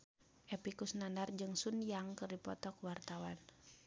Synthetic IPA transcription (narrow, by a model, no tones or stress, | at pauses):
ʔɛpikusnandard͡ʒɨŋsunijaŋkɨrdipɔ̰t̪ɔkuwart̪awan